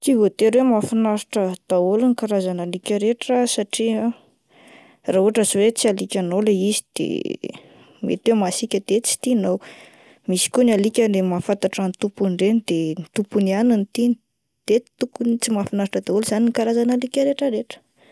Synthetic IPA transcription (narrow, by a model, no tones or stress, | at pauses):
t͡sivot̪eɾwemafinaɾiʈ͡ʂəd̪̥aoluŋikaɾazanalikʲəɾeʈ͡ʂəsaʈ͡ʂia | raɦuaʈ͡ʂəzwet͡sialikʲanolaizid̪̥ḛ | mḛt̪wemasikʲəd̪et͡si̥t̪inow | misi̥kʲonalikʲənemafant̪aʈ͡ʂanit̪upuɳɖ͡ʐenid̪̥enit̪upuniananit̪in | d̪̥e̥t̪ukunit͡simafinaɾiʈ͡ʂəd̪aoluzaninikaɾazanalikʲəɾeʈ͡ʂəɾeʈ͡ʂə̥